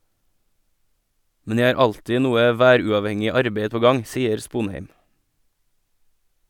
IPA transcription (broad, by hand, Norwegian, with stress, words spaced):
ˈmɛn ˈjæɪ ˈɑːɾ ˈɑltɪ ˈnuːə ˈʋæːɾʉɑʋˌhɛŋɪ ˈɑɾbeɪ ˈpoː ˈɡɑŋ ˈsiːəɾ ˈspuːnˌheɪm